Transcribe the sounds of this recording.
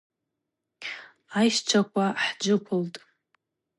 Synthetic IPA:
ajʃt͡ʃʷʰakʷʰʼaħd͡ʒɨpʷʰʊltʼ

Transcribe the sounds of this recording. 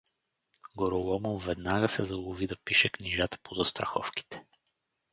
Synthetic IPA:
ɡoɾolˠɔmovɛd̪naɡəsɛzɐlˠovid̪ɐpiʃɛkniʒat̪ə̥pozɐst̪ɾɐxɔ̰fki̥t̪ɛ̥

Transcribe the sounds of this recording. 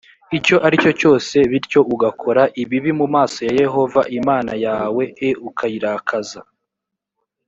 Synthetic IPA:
ico̞ʔaɾico̞co̞ːse̞βiɾco̞ʔuɡakʰo̞ɾaʔiβiβimumaːso̞jaje̞ɦo̞va̰ʔimaːnajaːwe̞eukʰajiɾakʰaza

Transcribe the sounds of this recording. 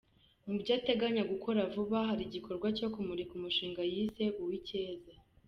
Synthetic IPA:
mubɟaːte̞ɡaɲaɡukʰo̞ɾavuβaɦaɾiɟikʰo̞ɾɡwaco̞kumuɾikumuʃiːŋɡajise̞ʔuwiceːza

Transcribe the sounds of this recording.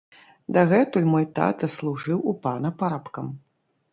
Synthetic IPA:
d̪ɐɣɛt̪ulʲmɔjt̪a̰t̪ɐslˠuʐɨwupanɐpaɾapkɐm

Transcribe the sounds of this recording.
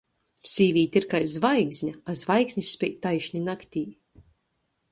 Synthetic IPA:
sʲiːvʲiːt̪ʲiɾkaj̪zvajɡzʲɲʲaazvajɡzʲnʲisspʲɛt̪ajʃnʲinakt̪ʲiː

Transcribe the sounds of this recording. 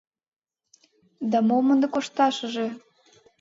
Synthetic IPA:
d̪ɑmomə̆nd̪ɤ̆koʃt̪ɑʃə̆ʒĕ

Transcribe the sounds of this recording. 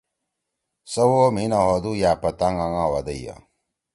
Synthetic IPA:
sɐwoːminaɦod̪ujaːpɐt̪aŋaŋawɐd̪ɐja̰

